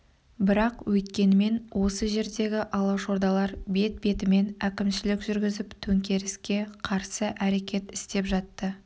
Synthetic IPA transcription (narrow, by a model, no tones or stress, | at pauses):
bɪɾɑqwʔɵt̪kʲe̞nɪme̞nwʔo̞səʒe̞ɾd̪e̞ɡʲɪʔɑlˠɑʃo̞ɾd̪ɑlˠɑɾbe̞t̪̚be̞t̪ɪme̞nækʲɪmʃɪlɪkʒʏɾɡʲɪzɪpt̪ʰɵŋkʲe̞ɾɪskʲe̞qʰɑɾsəʔæɾe̞kʲe̞t̪ɪ̥st̪e̞pʒɑt̪ːə